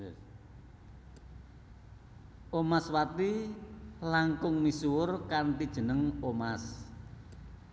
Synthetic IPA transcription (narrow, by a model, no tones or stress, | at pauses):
ʔomaswat̪i | laŋkʊŋmisuwʊrkant̪id̥ʒ̥ə̤nəŋomas